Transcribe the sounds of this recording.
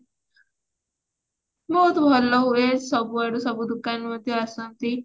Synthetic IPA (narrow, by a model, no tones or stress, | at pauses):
bɔɦut̪bʱɔlːɔɦuesʌbuaɽusʌbud̪ukanmʌd̪joasʌnt̪i